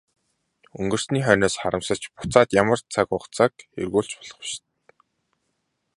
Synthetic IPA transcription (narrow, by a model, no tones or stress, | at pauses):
ɵ̰ŋɡɵ̆r̥sniːχœːnoːsχaɾə̆msə̆t͡ɕpʊ̥t͡saːt̪jamə̆rt͡sʰakʊχt͡sʰakḛrɣuːɬt͡ɕpɔ̥ɮ̥ɞ̆χʊ̥ʃt̪̚